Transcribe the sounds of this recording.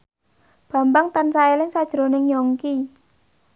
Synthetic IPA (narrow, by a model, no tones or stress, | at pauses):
b̥ä̤mbaŋt̪ansaelɪŋsad̥ʒ̥ɾo̤nɪŋjɔŋki